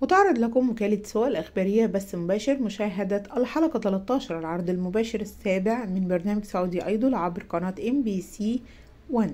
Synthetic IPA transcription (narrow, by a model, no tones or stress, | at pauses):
wet̪ɑʕɾˤɑd̪ˤlækomːʊkæːlɪt̪soʔælʔæxbæːɾɪjːæbæsːmobæːʃeɾmʊʃæːɦæd̪æʔælħɑlɑkɑt̪ælæt̪ˤːɑːʃɑɾˤɑlʕɑɾˤd̪ˤɪlmobæːʃeɾæsːæːbeʕmɪnbɑɾˤnæːmæɡsoʕuːd̪iʔɑ̰jd̪ˤɑlʕabɾqɑnɑːt̪ʔembiːsiː | wæn